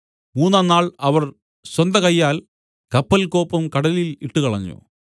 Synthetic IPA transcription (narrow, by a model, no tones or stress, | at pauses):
muːnːaːnːaːɭɐʋɐr | ɕwɐnd̪ɐkɐjːaːl | kɐpːɐlko̞ːpːɐmkɐɽɐliliʈːukɐɭɐɲːṵ